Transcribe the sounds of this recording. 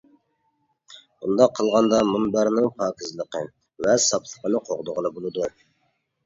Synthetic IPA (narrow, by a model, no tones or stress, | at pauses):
und̪ɑqʰːəlˠʁɑnd̪ɑmunbæɾnɪŋpʰɑːkʲʰɪzlˠəqə | vɛsɑplˠə̥qənɨqʰoʁd̪ʊʁəlˠɨbolˠɨd̪u